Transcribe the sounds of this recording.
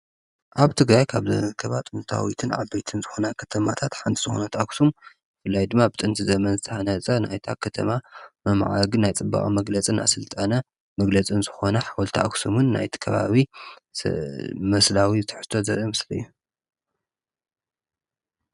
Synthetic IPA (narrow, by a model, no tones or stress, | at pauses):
ʔaβt̪ʰɨɡɾajkʰaβzɐ̰ɨkʰɐβat̪ʼɨnt̪ʰa̰wit̪ʰɨnʕa̰bejt̪ʰɨnzɨxo̞nakʰɐ̥t̪ʰɐmat̪ʰat̪ħant̪ʰiz̥ɨxunɐt̪ʰaksum | ɨfɨlːajd̪ɨmːabɨt̪ʼɨnt̪ʰizɐmɐnzɨt̪ʰʼɨhanɐt͡sʼɐna̰jt̪ʰakʰɐt̪ʰɐ̰mamɐmʕa̰ɡɨnajt͡sʼɨbːa̰χʼimɐɡlɐt͡sʼɨnʔa̰sɨlt̪ʼɐnɐ | mɐɡlɐt͡sʼɨnzɨxo̞nɐħawɔlt̪ʰiaksumɨnːa̰jt̪ʰi̥kʰɐβa̰βḭ | mɐslawit̪ʰɨ̥ħɨ̥st̪ʰːo̞zɐɾɐmɨslɐjːu